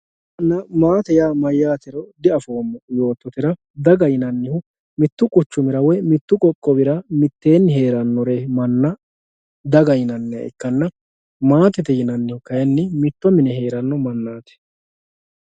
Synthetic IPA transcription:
nɐmaːt̪ɛjaːmɐjːaːt̪ɛɾɔd̪ɪɐfo̞ːmːɐjo̞ːt̪ːɔt̪ɪɾɐ | d̪ɐɡɐjɪnɐnːɪhʊ | mɪt̪ːʊkʼʊt͡ʃːʊmɪɾɐwɛmɪt̪ːʊkʼɔkʼːɔbɪɾɐmɪt̪ːe̞ːnːɦe̞ːɾɐnːɔɾemɐnːɐ | d̪ɐɡɐjɪnɐnːɪɐ̰ʔɪ̰kːɐnːɐ | maːt̪ɛt̪ɛjɪnɐnːɪhʊkɐjɛnːɪmɪt̪ːɔmɪnɛɦe̞ːɾɐnːɔmɐnːaːt̪ɛ̥

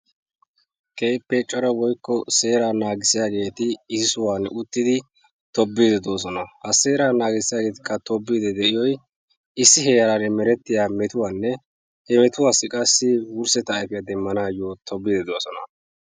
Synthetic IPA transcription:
kʰʼejpːɛt͡ʃʼːɔɾɐwɔjkːɔse̞ːɾaːnaːɡɪsɪjaːɡe̞ːt̪ɪɪzɪsʊwaːnʔʊt̪ːɪd̪ɪ | t̪ɔbːiːd̪ɛd̪o̞ːs̬ɔnɐhɐse̞ːɾaːnaːɡɪsɪjaːɡe̞ːt̪ɪ̥kːɐt̪ɔbːiːd̪ɛd̪ɛʔɪjɔj | ɪsːɪɦejɐɾaɾɛmɛɾɛt̪ːɪjaːmɛt̪ʊwaːnːɛ | hɛmɛt̪ʊwaːsːɪkʼɐsːɪwʊɾsɛt̪ːɐːjfɪjad̪ɛmːɐnaːjoːt̪ʰɔbːɪd̪ɛd̪oːsɔnɐ

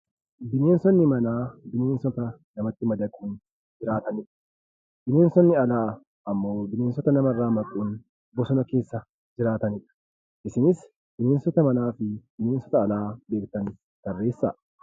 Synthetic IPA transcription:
d̪ɪne̞ːnsɔnːɪmɐnaːd̪ɪneːnsɔt̪ɐ | nɐmɐt̪ːɪmɐd̪ɐkʼuːn | d͡ʒɪɾaːt̪ɐnɪᶑɐ̥ | d̪̥ɪneːnsɔnːɪɐlaː | ʔɐmːo̞ːd̪ɪne̞ːnsɔt̪ɐnɐmɐrːaːmɐkʼuːn | bɔsɔnɐke̞ːsːɐ | d͡ʒɪɾaːt̪ɐnɪᶑɐ̥ | ʔɪsɪnɪs | d̪̥ɪne̞ːnsɔt̪ɐmɐnaːfɪd̪ɪneːnsɔt̪ɐːlaːbe̞ːkt̪ɐn | t̪ɐrːe̞ːsːa̰ː

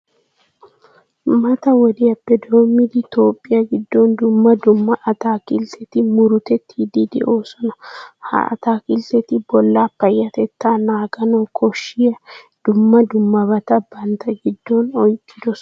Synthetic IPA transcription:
mɐt̪ɐwɔd̪ɪɐpːɛd̪o̞ːmːɪd̪ɪt̪o̞ːpʼːɪjɐɡɪd̪ːɔnd̪ʊmːɐd̪ʊmːɐʔɐt̪aːkɪlt̪ʰɛt̪ɪmʊɾʊt̪ɛt̪ʰːid̪id̪ɛ̰ʔoːsɔnɐha̰ɐ̰t̪aːkɪlt̪ɛt̪ɪbɔlːapːɐjːɐt̪ɛt̪ːaːnaːɡɐnɔkʰɔʃːɪjɐ | d̪̥ʊmːɐd̪ʊmːɐbɐt̪ɐbɐnt̪ʰɐɡɪd̪ːɔnɔjkʼːɪd̪ɔs

